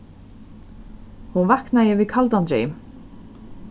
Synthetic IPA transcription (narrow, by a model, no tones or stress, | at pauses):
hunvahknajɛvikʰalt̪ant̪ɾḛ